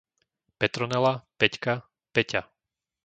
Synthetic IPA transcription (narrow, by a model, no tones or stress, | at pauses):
pɛt̪ɾɔnɛlapɛcka | pɛca